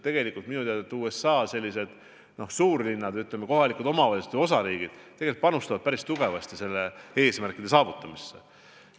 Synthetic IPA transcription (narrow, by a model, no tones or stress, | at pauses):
t̪ːe̞ɡe̞likˑult̪minut̪eɑd̪et̪ːˑuːesɑːse̞lʲːise̞d̪̥ | no̞hsuːɾlinːɑd̪yt̪lemeko̞ɦɑlikud̪o̞mɑvɑliset̪vo̞sɑɾiːɡ̥id̪̥t̪ːeɡlit̪̚pɑnust̪ɑvɑd̪̥̚pæɾist̪uɡ̥e̞vɑst̪ise̞lːe̞e̞ːsmærkˑid̪̥e̞sɑːvut̪ːˑɑmisːe̞̰